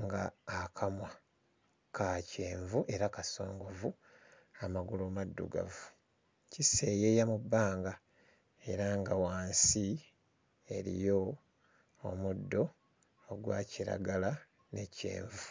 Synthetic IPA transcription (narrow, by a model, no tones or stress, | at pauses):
ŋɡaːkʰamwa | kace̞ːɱvuʔe̞ɾakaso̞ːŋɡo̞vu | amaɡulomadːṵɡa̰vu | cise̞ːjejamubːaːŋɡa | e̞ɾaŋɡawaːnsi | e̞ɾḭjo̞ː | mudːo̞ː | ɡwa̰ːciɾa̰ɡala | ne̞ce̞̰ːɱvu